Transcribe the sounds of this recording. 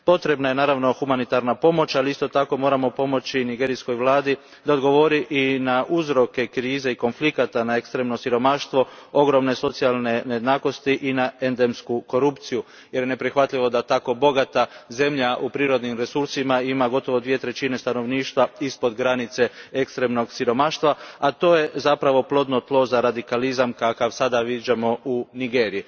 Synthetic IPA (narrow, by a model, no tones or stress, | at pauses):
po̞t̪ɾe̞bnaje̞naːɾaʋno̞xumanit̪aɾnapo̞mo̞t͡ʃaliist̪o̞t̪ako̞mo̞ːɾamo̞po̞mo̞t͡ɕiniɡe̞ːɾisko̞jʋlˠaːd̪i | d̪aod̪ɡo̞ʋo̞ɾiʔinaʔuzɾo̞ke̞kɾiːze̞iko̞nflikat̪anaekst̪ɾe̞mno̞siɾo̞maʃt̪ʋo̞o̞ɡɾo̞mne̞so̞t̪sialne̞neje̞d̪naːko̞st̪iʔinae̞nd̪e̞mskuko̞ɾupt̪siju | jeɾjene̞pɾixʋat̪ʎiʋo̞d̪at̪ako̞bo̞ɡat̪aze̞mʎaʔupɾiːɾo̞d̪nimɾe̞suɾsimaimaɡo̞t̪o̞ʋo̞d̪ʋije̞t̪ɾe̞t͡ɕine̞st̪ano̞ʋniːʃt̪ʋaispo̞d̪ɡɾanit̪se̞ekst̪ɾe̞mno̞ɡsiɾo̞maʃt̪ʋaat̪o̞ːje̞zapɾaʋo̞plo̞d̪no̞t̪lˠo̞zaɾad̪ikalizamkakaʋsad̪aʋid͡ʑamo̞uniɡeːɾiji